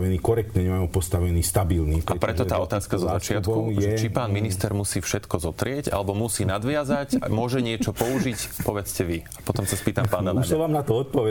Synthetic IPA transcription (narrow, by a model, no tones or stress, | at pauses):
ʋɛniːkɔɾɛkt̪nɛɲɛmajupɔst̪aʋɛniːst̪abilniːpapɾɛt̪ɔt̪aːɔt̪aːskazɔzat͡ʃɪat̪kuʒɛt͡ʃipaːnminist̪ɛɾmusiːfʃɛt̪kɔzɔt̪ɾɪɛɟa̰lɛbɔmusiːnad̪ʋɪazacmʊɔʒɛɲɪɛt͡ʃɔpɔuʒicpɔʋɛt͡scɛʋiapɔt̪ɔmsaspiːt̪ampaːnalaɛʋaːmnat̪ɔɔt̪̚pɔʋɛ